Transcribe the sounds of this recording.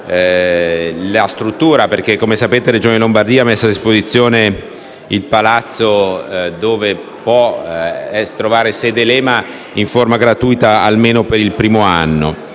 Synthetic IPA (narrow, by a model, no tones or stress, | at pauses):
last̪ɾut̪ːuːɾaperk̟ekːomesapeːt̪eɾed͡ʒoːnilombard̪iːamesːoad̪ːispozit̪sːjoːne | ilpalat̪sːod̪oːve | pwɔ | ɛst̪ɾovaːɾesɛd̪elɛːma | iɱformaɡɾat̪uːjt̪aa̰lmeːnopeɾilpɾiːmoa̰nːo̰